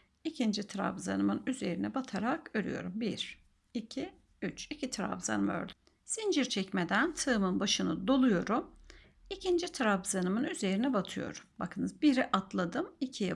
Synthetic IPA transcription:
icʰind͡ʒit̪ʰɾa̰bza̰nɯmɯnyze̞ɾinɛbat̪ʰaɾakøɾʲy̰jo̞̰ɾumbiɾ | icʰi | yt͡ʃicʰit̪ʰɾa̰vza̰nɯmø̰ɾd̪y | sind͡ʒiɾt͡ʃʰɛcme̞d̪ænt̪ʰɯmɯnbaʃɯnɯd̪o̞lˠujo̞ɾum | icʰind͡ʒit̪ʰɾabzanɯmɯnyze̞ɾinɛbat̪ʰɯjo̞̰ɾumba̰kʰɯnɯzbiɾiʔat̪lˠad̪ɯmicʰijɛ

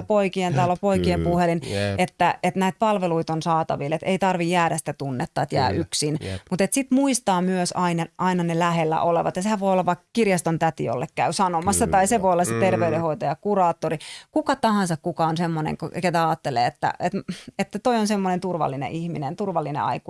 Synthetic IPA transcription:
poikient̪ɑlopoikiempuhelinet̪ːæet̪næit̪̚pɑlʋeluit̪onsɑːt̪ɑ̰ʋilet̪eit̪ɑrʋijjæːɾæsi̥t̪æt̪unːet̪ːɑːet̪jæ̰ːʔyksinmut̪et̪sit̪muist̪ɑːmyøsɑinɑʔɑinɑnelæhelːæ̰ʔoleʋɑ̰t̪jɑsehæʋojolːɑʋʋɑikkirjɑst̪ont̪æt̪ḭo̰lːekkæysɑnomɑsːɑt̪ɑiseʋoiolːɑset̪erʋeyɾehoit̪ojɑkurɑːt̪ːorikukɑt̪ɑhɑnsɑkkukɑonsemːonḛŋkket̪æɑːt̪ːelḛːet̪ːæ̰et̪et̪ːæt̪oionsemːonent̪urʋɑ̰lːinḛʔihminent̪urʋɑlːinḛɑ̰iku

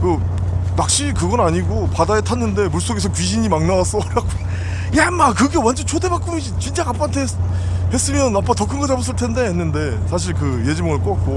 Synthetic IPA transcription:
kɯ | mak̚ɕ͈ikɯɡʌnaɲiɡopadaetʰanːɯnde̞muɭs͈oɡe̞sʰʌkɥiɕʰiɲimaŋnawas͈ʌɾaɡ͈o | jamakɯɡe̞wand͡ʑʌnt͡ɕʰode̞bak͈ɯmid͡ʑit͡ɕind͡ʑ͈aŋap͈ʰaantʰe | he̞s͈ɯmjʌnap͈ːatʌkʰɯŋɡʌd͡ʑabos̬͈ɯɭtʰe̞nde̞ɦenːɯnde̞sʰaɕ̬ʰiɭkɯje̞d͡ʑɯmŋɯɭk͈ok͈ak̚k͈o

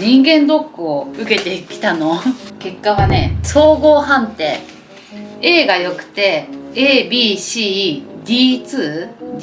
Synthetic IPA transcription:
ɲ̟ĩŋɡẽ̞nd̪o̞kːɯ̟oɯ̟ke̞t̪e̞kʲi̥t̪ano̞ke̞kːaβane̞̰so̞ːɡo̞ːɦãnt̪e̞̰ː | e̞ːɡajo̞kɯ̟̥t̪e̞eːbʲiːɕiːd̪ʲiːt͡sɨː

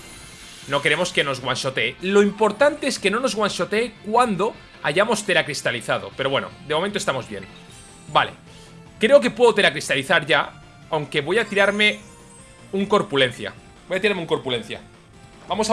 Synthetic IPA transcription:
no̞ke̞ɾemo̞ske̞no̞zɣwanʃo̞t̪elo̞impo̞ɾt̪ant̪eeskeno̞no̞zɣwanso̞t̪eːkwand̪o̞ | aʝamo̞st̪e̞ɾakɾist̪aliθað̞o̞̰pe̞ɾoβweno̰d̪emomẽnt̪oest̪amo̞zβje̞̰n | bale̞̰ | kɾe̞ok̬e̞pweðot̪eakɾist̪aliθaɾʝa | awŋke̞βo̞jat̪iɾaɾme | uŋko̞ɾpulẽ̞nθja̰ | bo̞jat̪iɾaɾmeuŋko̞ɾpulẽ̞n̟θja̰ | bamo̞s

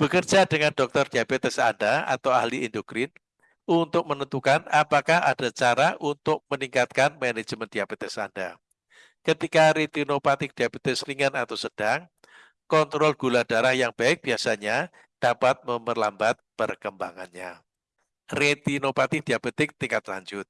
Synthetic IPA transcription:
b̥əkərd͡ʒadəŋandɔk̚t̪ɔrdiabet̪ɛsandaa̰t̪awa̰hliindokɾɪn | unt̪ʊk̚mənənt̪ukanapakaha̰d̥at͡ʃaɾaʔunt̪ʊk̚məniŋkat̪̚kanmɛne̥d͡ʒəmənd̥iab̥et̪ɛsa̰nda | kət̪ikaɾet̪inopat̪ɪk̚d̥iabet̪ɛsriŋanat̪awsəd̥aŋ | kɔnt̪ɾɔlɡ̥ulad̥aɾahjaŋb̥aɪk̚b̥iasaɲa | d̥apat̪̚məmərlambat̪̚pərkəmbaŋanɲa | ret̪inopat̪ɪd̥iabet̪ɪk̚t̪iŋkat̪la̰ɲd͡ʒʊt̪̚

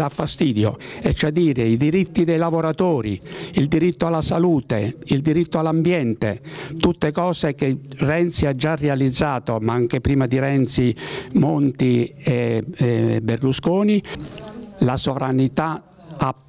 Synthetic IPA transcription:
afːast̪iːd̪jo̰ɛt͡ʃːad̪ːiːɾeid̪iɾit̪ːid̪ɛjlavoɾat̪ɔːɾiild̪iɾit̪ːoalːasaluːt̪eild̪iɾit̪ːoalːambjɛnt̪et̪ut̪ːekɔːsekerɛnt̪siad͡ʒːarːɛalid̪zːaːt̪omaaŋk̟epɾiːmad̪iɾɛnt̪simont̪iɛ | bːerluskoːni | lasovɾanit̪a | a

